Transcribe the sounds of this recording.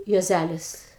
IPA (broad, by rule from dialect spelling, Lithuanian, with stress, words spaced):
juɔˈzʲælʲɪs